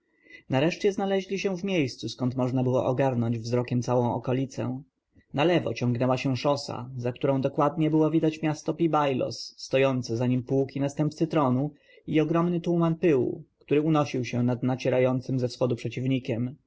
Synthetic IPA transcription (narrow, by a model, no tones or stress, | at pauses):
naɾɛʂt͡ɕɛznalɛʑlʲiɕɛ̃vmʲjejst̪suskɔnt̪mɔʐnabɘwɔ̰ʔɔɡaɾnɔɲd͡ʑvzɾɔkʲɛmt̪sawɔ̃w̃ɔkɔlʲit̪sɛ̰ | nalɛvɔ̰t͡ɕɔ̃ŋɡnɛwaɕɛʂɔsa̰zak̚t̪uɾɔ̃w̃d̪ɔkwad̪ɲɛbɘwɔvʲid̪at͡ɕmʲjast̪ɔpʲibajlɔ̰sːt̪ɔjɔnt̪sɘzaɲimpukʲinast̪ɛmp̚t̪sɘt̪ɾɔnu | iɔɡɾɔmnɘt̪umanpɘwṵkt̪uɾɘunɔɕiwɕɛnad̪nat͡ɕɛɾajɔnt̪sɘmzɛfsxɔd̪upʂɛt͡ɕivɲikʲɛm